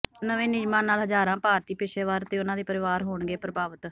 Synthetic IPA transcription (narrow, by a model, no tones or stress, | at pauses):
nəʋẽːnɪd͡ʒmãːnaːlɦəd͡ʒaːɾãːpaːɾt̪iːpɪʃeːʋaːɾt̪eːʊnãːd̪iːpəɾɪʋaːɾɦoːɳɡeːpɾəbaːʋət̪